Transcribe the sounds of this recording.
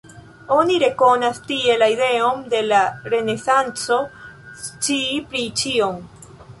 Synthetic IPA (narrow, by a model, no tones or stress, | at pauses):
o̞niɾe̞ko̞nastie̞laide̞onde̞laɾe̞ne̞sant͡so̞ | t͡ʃipɾit͡ʃio̞m